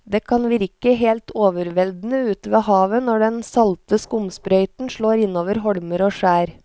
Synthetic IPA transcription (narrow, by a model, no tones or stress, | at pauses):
d̪eːkʰɑnʋɪɾkəɦeːlt̪ʰoːʋəɾʋɛld̪n̩əʉːt̪ʋeːhɑːʋənɔɖɛnsɑlt̪əskʊmspɾœʏt̪n̩ʃɭoːɾɪnoːʋəɾɦɔɽməɾoːʂæːɾ